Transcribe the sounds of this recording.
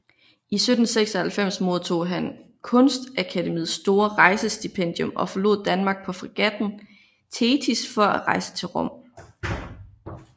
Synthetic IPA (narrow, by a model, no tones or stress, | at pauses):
ʔisød̥n̩seɡ̥sɐhælfem̰smo̝ð̞ˠt͡sʰo̝̰ːɦæn | kʰɔ̽nsd̥ʔækʰædemḭːð̩ˠsːd̥o̝ːɐʁɑ̈ɪsəsd̥ipʰen̰d̥jɔ̽mɒ̽fɒ̽lo̝̰ðˠd̥ænmɑ̈ːɡ̥̚pʰɒ̽fʁiɡ̥æd̥n̩ | t͡sʰeːt͡sʰisfɒ̽æʁɑ̈ɪsə̥t͡sʰe̝lʁɒ̽m̰